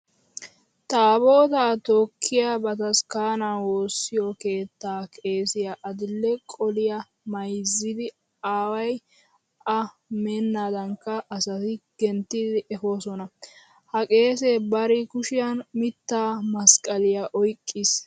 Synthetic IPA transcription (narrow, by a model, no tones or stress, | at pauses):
t̪abo̞ːt̪aːt̪oːkʰːɪjabɐt̪ɐskaːnaːwo̞ːsːɪjɔke̞ːt̪ːaːkʼe̞ːsɪjaʔɐd̪ɪlːɛkʼɔlɪja | mɐjzːɪd̪ɪ | aːwɐj | ʔɐ | menːaːd̪ɐŋkːɐʔːsɐt̪ɪɡ̥ɛnt̪ːɪd̪ɪʔɛfoːsɔnɐ | hɐkʼe̞ːseːbɐɾɪkʊʃɪjɐnmɪt̪ːaːmɐskʼɐlɪjaʔɔjkʼːɪs